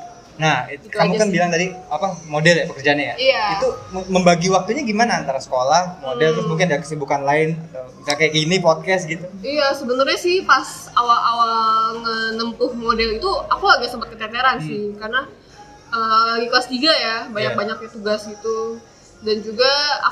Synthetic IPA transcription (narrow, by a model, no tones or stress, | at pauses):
nahitkamukanbilaŋd̪aɾiapamodɛljapəkərd͡ʒaɲajaijait̪uməmbaɡiwak̚t̪uɲaɡimanaːnt̪aɾasə̥kolahmodɛlt̪ɾʊssmuŋk̬ɪndikə̥sibukanlaɪnat̪a | kakajkinipɔt̪̚kɛst̪̚ɡit̪uijasəbənərɲasɪhpas | awalʔawaŋənəmpʊhmodɛlit̪uakulaɡasəmpət̪kət̪ɛneɾansɪhkarna | əɡiklast̪iɡajabaɲabaɲak̚ɲat̪uɡasɡit̪u | dand͡ʒuɡaa̰